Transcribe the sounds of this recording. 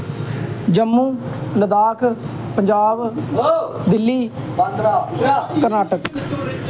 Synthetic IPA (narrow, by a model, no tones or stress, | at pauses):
d͡ʒəmːuːləd̪aːkʰ | pəɲd͡ʒaːb | d̪ɪlːiː | kəɾnaːʈək